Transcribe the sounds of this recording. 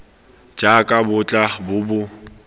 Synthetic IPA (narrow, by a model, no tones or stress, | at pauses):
d͡ʒakʼabʊt͡ɬʼabʊbʊ